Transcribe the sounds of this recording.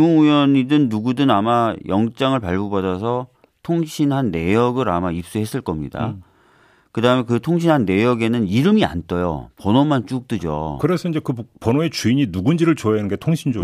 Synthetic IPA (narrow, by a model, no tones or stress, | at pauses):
uŋujʌɲidɯnːuɡudɯnamajʌŋt͡ɕ͈aŋɯɭpaɭɡobadasʰʌ | tʰoŋɕʰinɦanːe̞jʌɡɯɾamaip̚s͈uɦe̞s͈ɯɭk͈ʌmɲida̰ | kɯdaɦɯmekɯtʰoŋɕ̬ʰinɦanːe̞jʌɡe̞nɯniɾɯmia̰nt͈ʌjo̰pʌnomant͡ɕ͈uk̚t͈ɯd͡ʑo̰kɯɾe̞sʰʌiɲd͡ʑekɯpʌnoe̞t͡ɕuiɲinuɡund͡ʑiɾɯɭt͡ɕoanɯnɡe̞tʰoŋɕʰind͡ʑo